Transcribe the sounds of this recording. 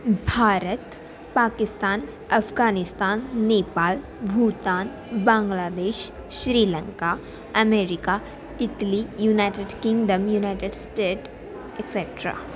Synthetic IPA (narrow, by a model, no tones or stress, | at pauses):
bʱaːɾət̪ | paːkɪst̪aːn | ɐfʰɡaːnɪst̪aːnːeːpaːl | bʱuːt̪aːn | bãːŋɡlaːd̪eːʃ | ʃɾiːlə̃ŋka | ɐmeːɾɪka | ɪʈlijuːnaːɪʈeɖkɪ̃ŋɡɖəmjuːnaːɪʈeɖsʈeːʈ | eʈseʈɾa̰ː